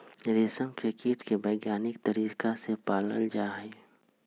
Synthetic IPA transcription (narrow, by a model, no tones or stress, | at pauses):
ɾeːsəmkɾɪkeʈkebəɪɡjaːnɪkt̪əɾiːkasepaːlə̰ld͡ʒaːɛ